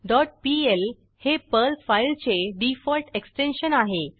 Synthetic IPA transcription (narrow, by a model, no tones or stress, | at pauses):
ɖɔʈ̚piel | hepəlfailt͡ɕeɖifɔlʈeksʈenɕənaɦe